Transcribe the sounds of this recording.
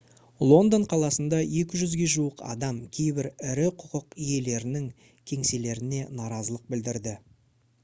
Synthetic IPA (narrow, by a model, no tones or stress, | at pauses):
lˠo̞nd̪oɴqʰɑlˠɑsənd̪ɑje̞kʲɪʒʏzɡʲe̞ʒuwəqɑ̰d̪ɑmkʲʰe̞jbɪɾɪɾɪqʰʊqəqije̞le̞ɾɪnɪŋ | kʲʰe̞ŋse̞le̞ɾɪne̞nɑɾɑzəlˠəq̚bɪld̪ɪɾd̪ɪ